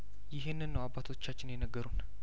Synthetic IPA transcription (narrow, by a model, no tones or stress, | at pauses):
jɪɦenːɨnːəwabːat̪ʰo̞t͡ʃːat͡ʃːɪnjɛnəɡːəɾun